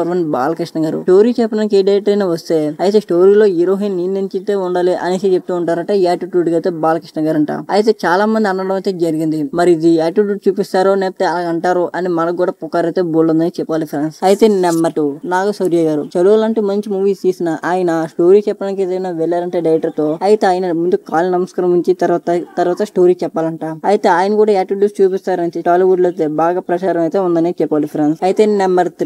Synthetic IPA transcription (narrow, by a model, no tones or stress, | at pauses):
ɐɾʋɐnba̰ːlɐkɾiʂʈɐŋɡaːɾṵʈo̞ːɾiːt͡ʃɛpːɐnɐnk̬eːɖɐjʈɾɐjnaːʋɐst̪eːɐjit̪e̞ːsʈo̞ːɾiːlo̞ːiɾoːɦinniːnːiɲt͡ʃit̪eːuɳɖaːliʔɐ̰nisit͡ʃep̚t̪uːɳʈaːɾɐʈaːaːʈuʈuɖɡɐjt̪eːbaːlɐkɾiʂʈɐŋɡaːɾɐɳʈa̰ːɐ̰jit̪e̞ːt͡ʃaːlaːmɐnd̪iɐnːɐɽɐmɐjt̪eːd͡ʒɐɾiɡind̪imɐɾiːd̪iaːʈuʈuɖt͡ʃuːpist̪aːɾoneːp̚t̪ːeːɐlaːɡɐɳʈaːɾuʔʔɐnimɐnɐɡuːɽaːpukːaːɾɐjt̪eboːlːund̪ɐnit͡ʃɛpːaːlipʰɾaːnsɐjit̪e̞ːnɛmːɐʈunaːɡusɐɾjaɡaːɾṵt͡ʃɐluʋɐlɐɳʈuːmɐɲt͡ʃimuːʋiːst̪iːsinɐʔaːjɐnɐsʈo̞ːɾiːt͡ʃɛpːɐanikid̪ɐnaʋɛlːaːɾɐɳʈeːɖɐjʈɐɾt̪o̞ːɐjit̪eaːjɐnɐmund̪ukaːlinɐmɐskɐɾɐmuɲt͡ʃit̪ɐɾt̪ɐt̪ɐɾʋaːt̪ɐsʈo̞ːɾiːt͡ʃɛpːaːlɐɳʈaːɐjit̪e̞ːaːjɐnɐkuːɽaːɛːʈuɖjust͡ʃuːpist̪aːɾɐnit̪eʈaːliʋuɖlɐjt̪eːbaːɡaːpɾɐt͡ʃaːɾɐmɐjit̪e̞ːund̪ɐneːt͡ʃɛpːaːlipʰɾensɐjit̪enɛmbɐɾt̪